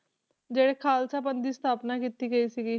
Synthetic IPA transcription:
d͡ʒeːɽeːkʰaːlsaːpənd̪iːst̪ʰaːpnaːkiːt̪iːɡəiːsiɡiː

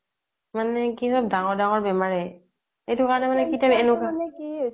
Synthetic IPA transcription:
manɛkisɔb̚daŋɔɹdaŋɔɹbɛmaɹɛ | ejtʊkaɹɔnɛmanɛkitaɛnukankiɦo

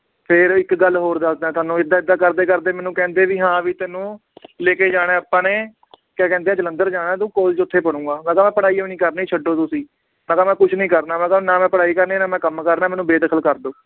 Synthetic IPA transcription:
pʰɪɾɪkɡəlːɦoːɾd̪asd̪ãːt̪ʊaːnũːɪd̪ːaːɪd̪ːaːkəɾd̪eːkəɾd̪eːmɛːnũːkɛ̃ːnd̪eːʋiːɦãːʋiːt̪ɛːnũː | leːkeːd͡ʒaːɽeːəpːãːneː | kɛ̃ːkɛ̃ːnd̪eːɛ̃ːd͡ʒələnd̪əɾd͡ʒaːnãːt̪ũːkoːlt͡ʃʊt̪ʰːeːpəɽ̃ũːɡaːnãːkaːmɛ̃ːpəɽaːiːonĩːkəɾnːiːt͡ʃʰəɖːoːt̪ʊsĩː | nãːkaːmɛ̃ːkʊt͡ʃʰnĩːkəɾnaːmɛ̃ːkanaːmɛ̃ːpəɽaːiːkəɾneːnaːmɛ̃ːkəmkəɾnaːmɛːnũːbeːd̪əkʰəlkəɾd̪oː

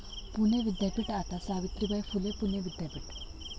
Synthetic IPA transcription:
pʊneʋɪd̪japiʈaːt̪asaːʋɪt̪ɾibɐjpʰʊlepʊneʋɪd̪japɪʈ

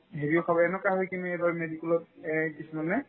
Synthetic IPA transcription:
ɦeɹiɔkʰabɔɛnɔkaɦɔjkinuɛbaɹmedikɛlɔt̚ɛkisumanɛ

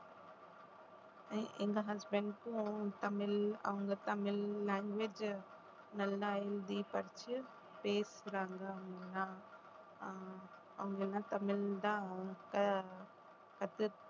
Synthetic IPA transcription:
ɐʔeŋɡɐɦɐsbeɳɖkũt̪ɐmɪlɐ̰ʋɐŋɡɐt̪ɐmɪlːaːŋɡʋeːd͡ʒ | nɐlːɐɐjld̪iːpɐɾt͡ʃi | peːsɾaːŋɡɐɐʋɐŋɡelːãː | ɐ̰ʋɐŋɡɐelːãːt̪ɐmɪld̪akɐ | kɐt̪ɨ

